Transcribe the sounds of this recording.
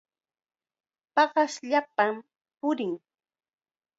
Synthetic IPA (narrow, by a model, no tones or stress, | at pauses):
pɑɢɑsʎapam | pʊɾɪŋ